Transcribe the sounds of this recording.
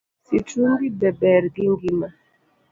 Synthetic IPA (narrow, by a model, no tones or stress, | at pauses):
situŋɡibɛbɛɾɡiŋɡima